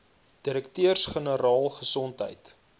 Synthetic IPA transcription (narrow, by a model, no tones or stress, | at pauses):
d̥iɾəktøərsχənəɾɑːlˠχəsɔntɦə̰jt